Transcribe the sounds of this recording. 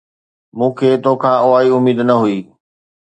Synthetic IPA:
mũːkʰeːt̪okʰãːʔoaːiʊmiːd̪nɐɦuiː

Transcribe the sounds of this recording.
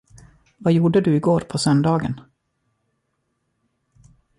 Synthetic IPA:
vajuːɖəd̪ɵɪɡoːɾpʰɔsœnd̪ɑːɡə̰n

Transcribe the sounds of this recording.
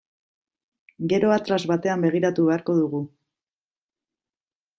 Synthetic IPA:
ɡe̞ɾo̞at̪ɾazβat̪e̞ambe̞ɣ̞iɾat̪uβe̞aɾko̞ðuɣu

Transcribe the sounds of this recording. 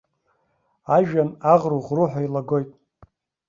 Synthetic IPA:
aʒᶣanaʁruʁruħʷᶣailaɡo̞jtʼ

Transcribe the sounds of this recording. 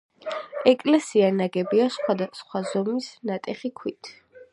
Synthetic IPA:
ɛkʼlɛsianaɡɛbiasχwad̪asχwazɔmisnat̪ʼɛχikʰwit̪ʰ

